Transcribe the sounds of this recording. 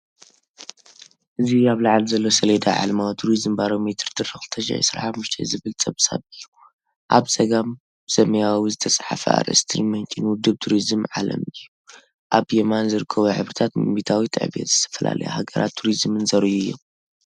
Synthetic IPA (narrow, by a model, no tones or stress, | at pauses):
ʔɨziaβlaʕalzɐlːo̞sɐled̪a̰ʕa̰lmawt̪ʰuɾizɨmbaɾo̞met̪ʰɨɾt̪ʰɨɾɨxɨlt̪ʰɐʃʕ̰sɾa̰ħamːuʃt̪ʰɐ̰zɨβɨlt͡sʼɐβsʼa̰βɨjːu | ʔaβsʼɐɡam | b̥ɨsɐmɐjawawizɨt̪ʰɐsʼħa̰fɐ̰a̰ɾɐ̰st̪ʰimɐnt͡ʃʼinwʊd̪ːɨβt̪ʰuɾizmʕalɐ̰mɨjːu | ʔaβjemanzɨɾɨkʰːɐβuħɨβɾɨt̪ʰat̪mit̪ʰawit̪ʰʼɐ̰ʕβḛt̪z̥ɨt̪ʰɐ̥fɐla̰lɐ̰ja̰haɡɐɾa̰t̪ʰːuɾizmɨnzɐɾɨʔuɨjːo̰m